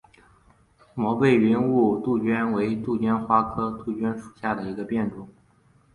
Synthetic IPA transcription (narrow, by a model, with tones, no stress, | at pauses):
mwɔ˧˥pe˥˩ɪi˧˥nu˥˧t̪u˥˩t͡ɕɥɛ˥nwe˧˥ɪt̪u˥˩t͡ɕɥɛ˥nxwa˥kʰɤ˥t̪u˥˩t͡ɕɥɛ˥nʂu˨˩ɕja˥˩d̪ə˩i˧˥ɡə˧pjɛ˥˩nʈ͡ʂʊ˨˩˦ŋ